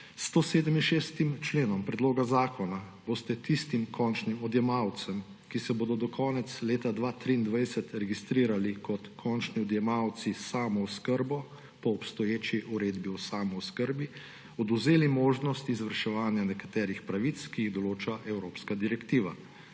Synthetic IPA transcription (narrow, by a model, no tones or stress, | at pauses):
st̪oːseːd̪əminʃeːst̪imt͡ʃleːnɔmpɾɛd̪loːɡazaːkɔnabost̪ɛt̪ist̪imkʰɔnt͡ʃnimɔd̪jɛmawt̪sɛm | kisɛboːd̪ɔd̪ɔkʰɔːnɛt̪sleːt̪ad̪ʋat̪ɾiːnd̪ʋajsɛt̪ɾɛɡist̪ɾiːɾalikɔt̪kʰɔnt͡ʃniɔd̪jɛmawt̪sisaːmɔɔskəɾbɔ | pɔːpst̪ɔjeːt͡ʃiʔuɾeːd̪biɔsaːmɔɔskəɾbi | ɔd̪uzeːlimoːʒnɔst̪izʋəɾʃɛʋaːnjanɛkḁt̪ɛːɾixpɾaʋit̪skiːɣd̪ɔloːt͡ʃaʔɛwɾoːpskad̪iɾɛkt̪iːʋa